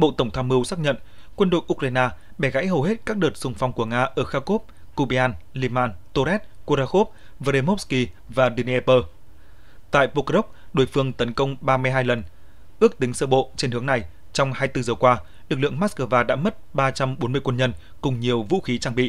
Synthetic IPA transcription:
ɓo̰˧˨t̪ə˧˩wŋ͡mt̪ʰaː˧mɨ˧əwsaː˦˥k̚ɲə̰˧˨nkwə˧nɗo̰˧˨jʔu˧k̚ɾaː˧jnaː˧ | ɓɛ˧˩ɣa̰˧˥jɦə˨˩wɦe˦˥t̚kaː˦˥k̚ɗəː˨˩t̚z̥ʊ˨˩ŋ͡mfa˧wŋ͡mku˧˩əŋaː˧ʔəː˧˩xaː˧ko˦˥p̚ | ku˧ɓi˧aː˧n | li˧maː˧nt̪o˧ɾɛ˦˥t̚ko˧ɾaː˧xo˦˥p̚ | və˧ɾe˧mo˦˥ski˧ | vaː˨˩ɗi˧n˧pəː˧ | t̪a̰ː˧˨jpo˧ko˦˥k͡p̚ɗo̰˧˩jfɨ˧əŋt̪ə˨˦nkə˧wŋ͡mɓaː˧mɨ˧jɦaː˧jlə˨˩n | ʔɨ˦˥ək̚t̪ï˨˦ŋsəː˧ɓo̰˧˨t͡ɕe˧nhɨ˨˦əŋna˨˩j | t͡ɕɔ˧wŋ͡mhaː˧jt̪ɨ˧zəː˨˩kwaː˧ | lɨ˨˩k̚lɨ̰˧˨əŋmaː˦˥skəː˧˩vaː˧ɗa̰ː˧˥mə˦˥t̚ɓaː˧t͡ɕa˧mɓo˨˦nmɨ˧əjkwə˧nɲə˧n | kʊ˨˩ŋ͡mɲi˨˩əwvṵ˧˥xi˨˦t͡ɕaː˧ŋɓḭ˧˨

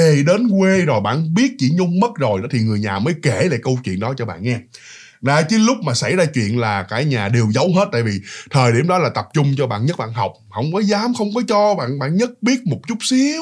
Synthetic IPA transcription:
e˨˩ɗe˨˦nkwe˧zo˨˩jɓa̰ː˧˨nɓi˦˥ət̚t͡ɕḭ˧˩ɲʊ˧ŋ͡mmə˦˥t̚zo˨˩jʔə̰ː˨˦t̪ʰi˨˩ŋɨ˨˩əjɲaː˨˩məː˨˦jke˧˩la̰ː˧˨kə˧wt͡ɕwḭ˧˨ənɗɔ˨˦t͡ɕɔ˧ɓa̰ː˧˨nŋɛ˧ | zaː˧˩t͡ɕɨ˨˦lʊ˦˥k͡p̚maː˨˩sa˧˩jzaː˧t͡ɕwḭ˧˨ənlaː˨˩kaː˧˩ɲaː˨˩ɗe˨˩wzə˨˦wɦeː˦˥t̚t̪a̰ː˧˨jvi˨˩t̪ʰəː˨˩jɗḭ˧˩əmɗɔ˨˦laː˨˩t̪ə˨˩p̚t͡ɕʊ˧ŋ͡mt͡ɕɔ˧ɓa̰ː˧˨nɲə˦˥t̚ɓa̰ː˧˨nɦa˨˩wk͡p̚hə˧wŋ͡mkɔ˨˦zaː˨˦mxə˧wŋ͡mkɔ˨˦t͡ɕɔ˧ɓa̰ː˧˨nɓa̰ː˧˨nɲə˦˥t̚ɓi˦˥ət̚mo˨˩t̚t͡ɕʊ˦˥t̚si˨˦ə

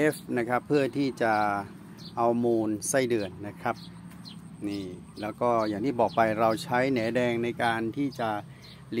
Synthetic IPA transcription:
e˦˥fna˦˥kʰa˦˥pʰːɯ˥˩ət̪ʰiː˥˩t͡ɕa˨˩ | ʔa˧wmuː˧nsa˥˩jdɯː˧ənːa˦˥kʰa˦˥p̚ | niː˥˩ | lɛː˦˥wkɔː˥˩jaː˨˩ŋt̪ʰiː˥˩bɔː˨˩k̚pa˧jɾa˧wt͡ɕʰa˦˥jnɛː˩˦dɛː˧ŋna˧jkaː˧nt̪ʰiː˥˩t͡ɕa˨˩ | li˧

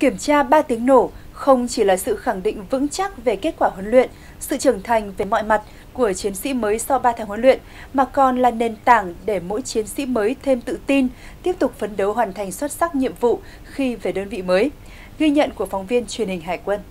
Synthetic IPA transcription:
ki˧˩əmt͡ɕaː˧ɓaː˧t̪i˨˦əŋno˧˩xə˧wŋ͡mt͡ɕi˧˩laː˨˩sɨ̰˧˨xa˧˩ŋɗḭ̈˧˨ŋ̟vɨ̰˧˥ŋt͡ɕa˦˥k̚ve˨˩ke˦˥t̚kwaː˧˩ɦwə˨˦nlwḭ˧˨ən | sɨ̰˧˨t͡ɕə˨˧˩ŋt̪ʰa˨˩jŋ̟ve˨˩mɔ̰˧˨jma˨˩t̚ | ku˧˩ət͡ɕi˨˦ənsḭ˧˥məː˨˦jsɔ˧wɓaː˧t̪ʰaː˨˦ŋhə˨˧˦nlwḭ˧˨ən | maː˨˩kɔ˨˩nlaː˨˩ne˨˩nt̪aː˧˩ŋɗe˧˩mo̰˧˥jt͡ɕi˨˦ənsḭ˧˥məː˨˦jt̪ʰe˧mt̪ɨ̰˧˨t̪i˧n | t̪i˦˥əp̚t̪ʊ˨˩k͡p̚fə˨˦nɗə˨˦wɦwaː˨˩nt̪ʰa˨˩jŋ̟swə˦˥t̚sa˦˥k̚ɲḭ˧˨əmvṵ˧˨ | xi˧ve˨˩ɗəː˧nvḭ˧˨məː˨˦j | ɣi˧ɲə̰˧˨nku˧˩əfɔ˨˦wŋ͡mvi˧ənt͡ɕwi˨˩ənhï˨˩ŋ̟ɦaː˨˩jkwə˧n

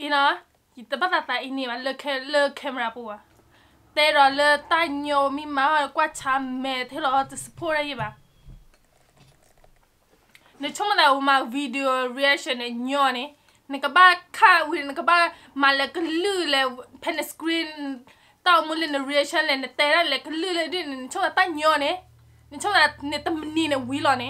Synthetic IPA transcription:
i˨no˨˦a˦ | ji˨t̪ə˨ba˦t̪a˨t̪a˨ʔi˧˨nĩ˨ba˨lə˦kʰɛ˦lə˦kʰɛ˦mɛ˨ɾa˨pu˨wa˨ | t̪ɛ˦ɾɔ˨lə˦t̪a˦ɲɔ̃˧wmĩ˦mã˨˦ɔ˦˨kwa˦t͡ʃʰa˨˦mɛ˨t̪ə˨i˦ɾɔ˨ɔ˦tɨ˨sə̥˨pʰɔ˦ɾa˦ji˦ba˨ | nə˨t͡ʃʰʊ˦mə˦˨ta˨wu˨ma˨vi˧di˨o˨ɹi˨˧a˦ʃɔ˨nːɛ˨ɲɔ̃˧nɛ̃˨ | nɪ˨kə˨ba˦kʰa˦wi˨˦˨nə˨kə˨ba˦ | ma˨lɛ˨kə˦˨lɨ˦lɛ˨pʰɛ˧˨nɛ˨skɾi˦n˨ | t̪a˦˨wu˧mu˦le˦˨nə˨ɾi˧a˧ʃɔ̃˦nlɛ˨nɛ˨t̪ɛ˨na˦˨lɛ˨kə˧lɨ˦˨lɛ˧di˦˨n˨nɪ˨t͡ʃʰo˦la˨t̪a˦˨ɲɔ̃˧˨nɛ˨˦ | ne˨t͡ʃʰo˦m˨a˨ne˨t̪ə˨mə˨nĩ˧˨nɛ˨wi˨˦lɔ˨nɛ̃˨˦

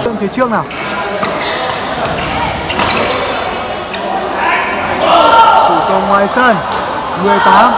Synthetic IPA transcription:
əŋt̪ʰe˨˦t͡ɕɨ˧˥ək̚naː˨˩w | t̪u˧˩t̪ɔ˨˧˩ŋwaː˨˩jsəː˧˩n | mɨ˨˩əjt̪aː˨˦a˧˩m

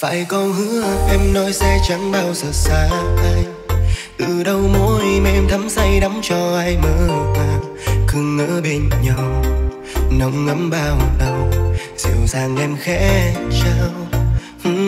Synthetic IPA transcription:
fa̰ː˧˨˩jkɔ˧nhɨ˧˥ʔɛ˧mnɔ˨˦jsɛ˧t͡ɕa˨˦ŋɓaː˧wsəː˨˩t̚saː˧ʔaː˧j | k̪ɨ˧˩ɗə˧wmo̰˧˥jm˧ɛ˧mt̪ʰə˨˦msa˧jɗa˨˦wŋ͡mt͡ɕɔ˧ʔaː˧jməː˧˦k̪aː˧ | kɨ˧˩əŋːə̰ː˧˥ɓe˧˩nɲɔ˧˩w | nə˨˦wŋ͡mŋə˨˦mɓaː˧wlə˧w | z̥ḭ˧˩wzaː˧ŋʔɛ˧mxɛ̰˧˥t͡ɕaː˧w

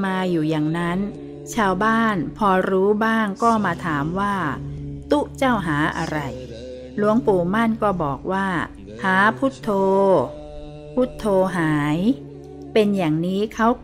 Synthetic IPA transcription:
maː˧juː˨˩jaː˨˩ŋna˦˥n | t͡ɕʰaː˧wbaː˥˩npʰɔː˧ɾuː˦˥baː˥˩ŋkɔː˥˩maː˧t̪ʰaː˩˦mwaː˥˩t̪u˦˥˩ʔt͡ɕa˥˩wɦaː˩˦ʔa̰˧ɾa˧j | lu˦˥əŋpuː˨˩ma˥˩˨nkɔː˥˩bɔː˨˩k̚waː˥˩ | haː˩˦pʰu˦˥˩t̪ʰːoː˧ | pʰuː˦˥˩t̪ʰːoː˧ɦaː˩˦j | pe˧njaː˨˩ŋniː˦˥kʰa˦˥w

